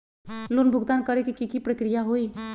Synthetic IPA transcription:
loːnbʱʊɡd̪aːnkəɾekikikipɾəkɾijaɦoːiː

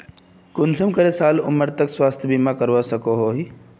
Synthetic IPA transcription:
kʊnsʰəmkəɾesaːlʊməɾt̪əkswaːst̪ʰbimãkəɾʋasəkoɦoɦi

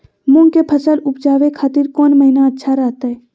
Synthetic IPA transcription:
mʊ̃ŋɡkepʰəsəlʊpd͡ʒaːʋekʰaːt̪ɪɾkɔːnməɦinaɐtːʃʰaɾɐɦt̪aɦɛː

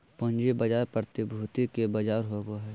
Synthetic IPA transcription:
põnd͡ʒibɐd͡ʒaːɾpəɾt̪ibʱuːt̪ikebɐd͡ʒaːɾɦoɡoɦɛː

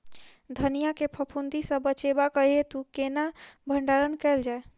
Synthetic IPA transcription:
d̪ʱənijakepʰəpʰund̪isə̃bət͡ʃebakəɦiet̪ukenabʱəɳɖaɾənkɛɪld͡ʒae

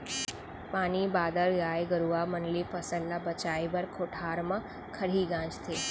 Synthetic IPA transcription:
paːnibaːd̪əɭɡaːeɡəɾuamənlipʰəsəllabət͡ʃaːibɐɾkʰoːʈʰaːɾmã | kʰəɽ̤iːɡãːd͡ʒt̪ʰeː

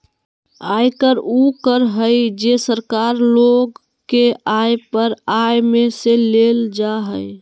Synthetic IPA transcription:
ajkəɾukəɾɦəjd͡ʒesəɾkaɾloɡ | keajpəɾajmeseleld͡ʒaɦəj

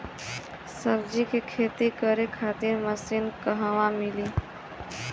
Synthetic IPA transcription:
səbd͡ʒikekʰeːt̪ikəɾekʰaːt̪ɪɾməsinkəɦəʋãmɪli

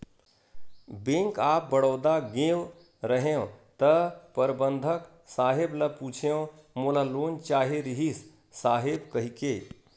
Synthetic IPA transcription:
bẽŋkaːp̚bəɽəːd̪aɡẽw | ɾəɦeõt̪əpəɾbənd̪ʱək | saːɦebləput͡ʃʰeõmolaloːnt͡ʃaːɦeɾiɦis | saːɦebkəɦike

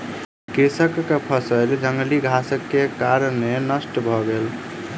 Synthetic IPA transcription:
kesəkːepʰəsəɪld͡ʒəŋɡəliɡʱasəkːekaɾənːenəsʈəbʱɔɡel

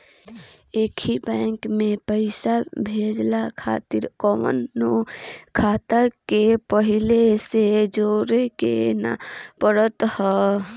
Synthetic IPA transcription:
eːkʰibɛ̃ːŋkmẽpəɪsabʱeːd͡ʒlakʰa̰ːt̪ɪɾkɔːmə̰nːukʰaːt̪akepəɦɪlesed͡ʒoːɾekḛna̰pəɽət̪hɛ

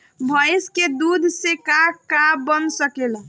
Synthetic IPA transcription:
bʱəjsked̪ud̪ʱsekakabənsəkel

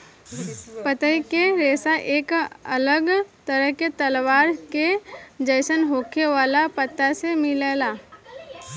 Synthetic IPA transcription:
pət̪əikeɾeːsaʔeːkɐ̰ləɡt̪əɾəɦket̪əlwaːɾked͡ʒəɪsənɦoːkeʋaːlapət̪ːasemɪleːlaː

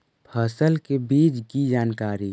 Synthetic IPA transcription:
pʰəsəlkebiːd͡ʒɡid͡ʒaːnkaːɾi

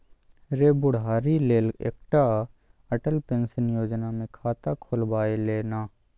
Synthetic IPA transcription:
ɾeːbʊɽɦaːɾileːlḛːk̚ʈa | əʈəlpeːnsənjoːd͡ʒnamẽkʰaːt̪akʰolbaːeleːnaː

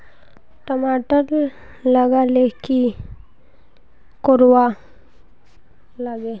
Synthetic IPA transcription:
ʈəmaʈəl | ləɡaleki | koɾʋa | laɡe

